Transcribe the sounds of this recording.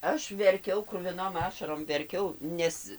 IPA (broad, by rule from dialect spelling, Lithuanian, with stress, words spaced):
ˈɐʃ ʋʲɛrʲˈkʲɛʊ krʊʋʲɪˈnoːm ˈɑːʃɐroːm ʋʲɛrʲˈkʲɛʊ ˈnʲɛs